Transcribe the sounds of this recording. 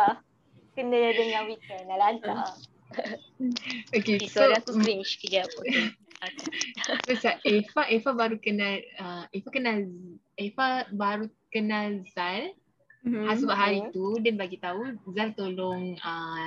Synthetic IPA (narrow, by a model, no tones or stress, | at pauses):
a | kəndəadəŋãwikənalant̪a | okesoɾaŋt̪uɾint͡ʃkəd͡ʒap | məsaʔefaʔefabaɾukənãləefakənal | efabaɾukənalzal | hasəbaʔɦaɾit̪udanbaɡit̪auzalt̪oloŋə